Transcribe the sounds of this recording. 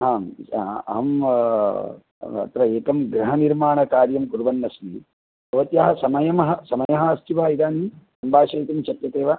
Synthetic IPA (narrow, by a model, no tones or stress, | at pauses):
ɦaːmɐ̰ɦɐm | ɐ̰t̪ɾɐeːkɐmɡɾɐɦɐniɾmaːɳɐkaːɾjɐmkuɾʋɐnːɐsmi | ɐʋɐt̪jɐɦɐsɐmɐjɐmɐɦɐsɐmɐjɐɦɐɐst̪iʋaːid̪aːnisɐmbʱaːʃɐjt̪ɐmt͡ʃɐt̪jɐt̪eːʋa